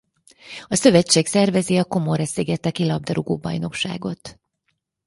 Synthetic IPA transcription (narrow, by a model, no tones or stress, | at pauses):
ɒsø̞vɛt͡ʃːeːksɛrvɛziɒko̞moɾɛseːɡɛt̪ːɛkilɒb̚d̪ɒɾuɡoːbɒ̰jno̞kʃa̰ːɡo̞t̪